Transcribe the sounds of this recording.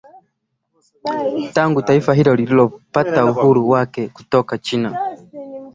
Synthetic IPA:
taŋɡutaifaɦilɔlililɔpatauhuɾuwakɛku̥tɔkat͡ʃina

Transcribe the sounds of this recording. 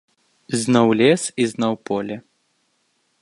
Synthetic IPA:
zʲnɔwlʲɛsiznawpɔlʲɛ

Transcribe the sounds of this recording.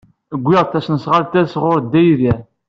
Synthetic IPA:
əɡʷːɪʁˤt̪ːæsnəsʁalt̪æsʁʊɾd̪ːæjðæ

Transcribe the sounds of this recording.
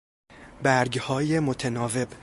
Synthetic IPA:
bæɾɡhɒːjemot̪ʰenɒːve̞b

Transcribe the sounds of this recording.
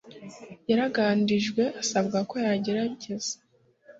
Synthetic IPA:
jaɾaɡaːndiʒɡwe̞ʔasabɡako̞jaɟeɾaɟez̥ḁ

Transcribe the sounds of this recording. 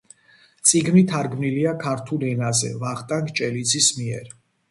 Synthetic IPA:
t̪sʼiɡmit̪ʰaɾɡmniliakʰaɾt̪ʰulɛnazɛ̰vaχt̪ʼaŋkʼt͡ʃʼɛlid̪zismiɛ̰ɾ

